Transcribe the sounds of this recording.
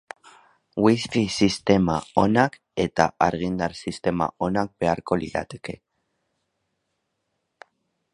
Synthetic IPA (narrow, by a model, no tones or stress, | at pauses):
wiskisist̪e̞mao̞nak | e̞t̪a̰aɾɣind̪aɾsist̪e̞ma̰o̞nak̚be̞aɾko̞lḭɾa̰t̪e̞̥ke̞